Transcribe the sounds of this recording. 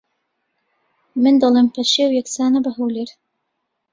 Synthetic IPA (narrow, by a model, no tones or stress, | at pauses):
mɨnd̪ɐlˠeːmpʰɐʃeːwjɛksaːnɐbɐɦowleɾ